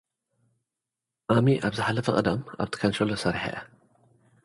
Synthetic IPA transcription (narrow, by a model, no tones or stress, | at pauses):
ʔamiʔabzɨħalɐfɐqʼɐd̪ɐma̰bt̪ɨ̥kʰɐnʃɾolosɐɾiħa̰ʔɐ